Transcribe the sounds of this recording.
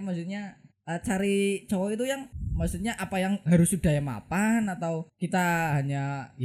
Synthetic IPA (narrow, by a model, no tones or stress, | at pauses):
maksut̪̚ɲaʔət͡ʃaɾit͡ʃɔwɔit̪ujaŋmaksut̪̚ɲaʔapajaŋɦaɾʊsud̥a̤jama̰panat̪awkit̪aɦaɲaj